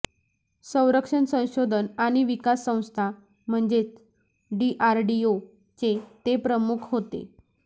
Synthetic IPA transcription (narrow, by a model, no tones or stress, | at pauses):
sə̃w̃ɾəkʂəɳsə̃w̃ɕod̪ʱənaɽ̃iʋikasːə̃w̃st̪ʰa | m̤əɳd͡ʑet͡s | ɖiʔaɾɖio | t͡set̪epɾəmukʰɦot̪ḛ